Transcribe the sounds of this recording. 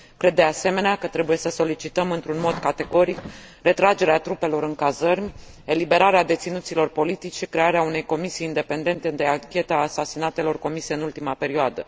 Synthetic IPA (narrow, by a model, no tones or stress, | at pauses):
kɾe̞d̪ːe̞ase̞me̞neakət̪ɾe̞buje̞səso̞lit͡ʃit̪əmɨnt̪ɾunmo̞d̪kat̪e̞ɡo̞ɾik | re̞t̪ɾad͡ʒe̞ɾeat̪ɾupe̞lo̞ɾɨŋkazərmʲ | e̞libe̞ɾaɾead̪e̞t̪sinut̪silo̞rpo̞lit̪it͡ʃʲʃikɾe̞aɾeaune̞jko̞misijind̪e̞pe̞nd̪e̞nt̪ed̪eaŋkʲe̞t̪aːsasinat̪e̞lo̞rko̞miseɨnult̪imape̞ɾioad̪ə̰